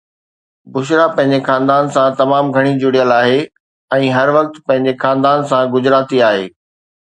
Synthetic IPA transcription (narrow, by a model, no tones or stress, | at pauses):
bʊʃ̬ɾapɐ̃ɦɪ̃ɲ̆d͡ʑexãːnd̪aːnsãt̪ɐmaːmɡʱɐɽ̃id͡ʑʊɽijəlaːɦe | ɛ̃ːɦɐɾʋɐk̚t̪pɐ̃ɦɪ̃ɲd͡ʑexãːnd̪aːnsãɡʊd͡ʑɾaːt̪iaːɦeː